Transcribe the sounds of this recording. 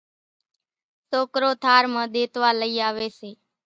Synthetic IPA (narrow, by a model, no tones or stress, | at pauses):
soːkɾoːt̪ʰaːɾmãːɗ̪eːt̪ʋaːləiːaːʋeːseː